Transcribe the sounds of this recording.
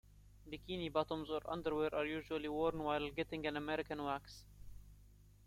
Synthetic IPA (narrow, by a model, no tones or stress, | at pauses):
bikinibɔtə̃mzəɾʔʌ̰̃nd̪əɹwɛɾʔɑɹjuʒuəliwɔɹnwaɪlˠɡɛtɪ̃ŋɡæ̃nəmɛɾɪkə̃nwæks